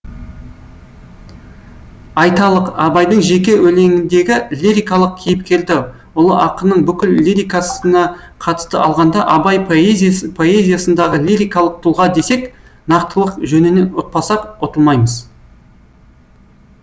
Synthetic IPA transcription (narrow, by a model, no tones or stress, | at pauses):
ɑjt̪ɑlˠəqɑbɑjd̪əɴʒe̞kʲe̞wɵle̞ŋɪnd̪e̞ɡʲɪlʲiɾʲijkɑlˠəq̚kʲʰijɪp̚kʲʰe̞ld̪ɪ | ʊlˠəʔɑqənəɴbʏkʲɪllʲːiɾʲijkasənɑ | qʰɑt̪ə̥st̪əɑlˠʁɑnd̪ɑʔɑbɑjezpʰo̞e̞zʲijasənd̪ɑʁəlʲiɾʲijkɑlˠəq̚t̪ʰulˠʁɑd̪e̞sek | nɑqt̪əlˠəqʒɵnɪne̞ʊq̪̚pɑsɑqot̪əlˠmɑjməz